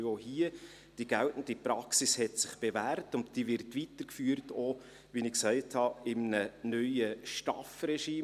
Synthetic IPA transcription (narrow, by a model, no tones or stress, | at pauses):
ohiə | d̥iɡ̥æltn̩dipɾɑksishɛtsɪχb̥evæːɾtʊnt̚d̥iːvɪɾtʋitəɾkfyːəɾto | ʋinɪksæɪthɑɪmnənyjəʃtɑfɾɛʃiː